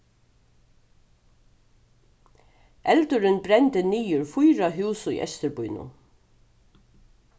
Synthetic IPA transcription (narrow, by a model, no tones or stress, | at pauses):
ʔɛlt̪ʊɾɪnbɾɛnt̪ɪniːʊɾfʊjɾaɦʉːsʊḭːʔɛ̰st̪ɪɾbʊjnʊ̰